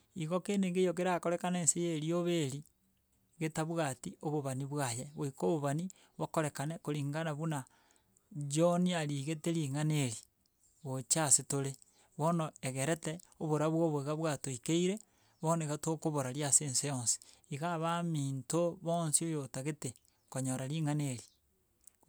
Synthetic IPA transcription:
iɣokeneŋɡejok̬eɾakoɾekaneːnsejeɾioβeɾi | ɣetaβuɣatioβoβaniβwajeβoikoβoβani | βokoɾekanekoɾiːŋɡanaβuna | d͡ʒoniaɾiɣeteɾiːŋaneɾi | ɣot͡ʃasetoɾe | βonoeɣeɾeteoβoɾaβwoβoeɣaβwatoikeiɾe | βoneiɣatokoβoɾaɾjaseːnsejoːnsi̥ | iɣaβamiːntoβoːnsiojotaɣete | koɲoɾaɾiŋaneɾi

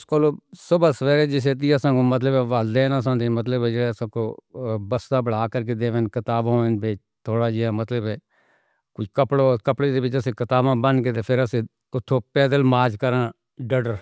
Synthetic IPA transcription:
skoloːsʊbəsʋɛːɾeːd͡ʒɪs̬eːt̪̬iːəsãːkoːmət̪̬ləbɛːʋəld̪eːnas̬ãːd̪eːmət̪ləbd͡ʒəsãːkoːbəst̪aːbəɽaːkəɾk̬eːd̪eːʋẽnkɪt̪aːbãːenbeː | t̪ʰoːɽaːd͡ʒiɛːmət̪ləbɛː | kʊt͡ʃʰkəpɽoːkəpɽeːd̪eːbɪt͡ʃəsĩːkɪt̪aːbãːbənkeːt̪eːpʰɪɾəsẽː | ʊt̪ʰːõːpɛːd̪əlmaːd͡ʒkəɾãː | ɖəɖəɾ

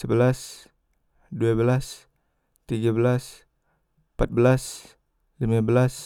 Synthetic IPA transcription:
səbəlas | duabəlas | t̪iɡabəlas | pat̪̚bəlas | limabəlas

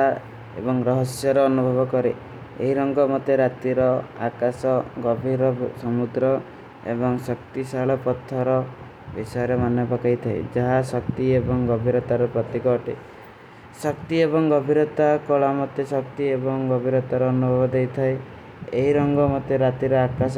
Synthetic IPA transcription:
a | ḛbɔŋɾɔɦɔsjɔɾɔːnubʱɔbɔkɔɾḛ | eɦiɾɔŋɡɔmɔt̪eɾat̪iɾɔa̰kasɔɡɔbʱiɾɔsɔmud̪ɾɔ | ḛbɔŋsɔkt̪isaɭɔpɔt̪ʰːɔɾɔ | bisɔjɔɾemanjɔpakajt̪ʰaḛd͡ʒaɦasɔkt̪iebɔŋɡɔbʱiɾɔt̪aɾɔpɾɔt̪ikɔʈḛ | sɔkt̪iebɔŋɡɔbʱiɾɔt̪akɔɭamɔt̪ːesɔkt̪iebɔŋɡɔbʱiɾɔt̪aɾɔːnubʱɔbɔd̪ejt̪ʰae | eɦiɾɔŋɡɔmɔt̪eɾat̪iɾɔakas

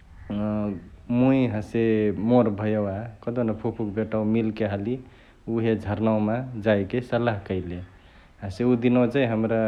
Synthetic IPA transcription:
mujɦə̃semoɾbʱəjəwakəd̪onapʰupʰukbeʈamilkeɦəli | uɦed͡ʒʱəɾnawmad͡ʒajkesəlaɦkəɪle | ɦãseud̪inot͡ʃajɦəmɾa

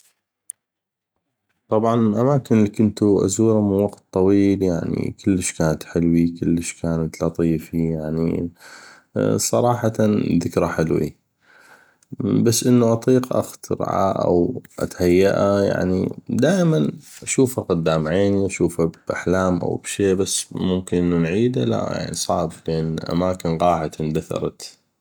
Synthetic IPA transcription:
t̪ˤɑbʕɑnlʔamaːkɪnlːiːkʊnt̪uʔa̰zuːɾˤamɪnwɑɡt̪̚ˤːɑwiːljaʕnḭkɪlːəʃkaːnat̪ħɪlwikɪlːəʃkaːnat̪lɑt̪ˤiːfijaʕnḭ | sˤɑɾˤɑːħɑt̪aðɪkɾaħɪlwḭ | basːʔənːuʔɑt̪ˤiːqʔa̰xt̪ɪɾʕa̰ʔa̰wʔa̰t̪hajːaʔaja̰ʕnid̪aːʔɪmanʔaʃuːfaqʊd̪ːaːmʕeːniʔaʃuːfabʔaħlaːmʔa̰wbʃeːbasːmʊmkɪnʔɪnːunʕiːd̪ala̰ja̰ʕnḭsˤɑʕblʔɪnʔa̰maːkɪnɣɑːħat̪ʔɪnd̪aθɑ̰ɾˤɑ̰t̪

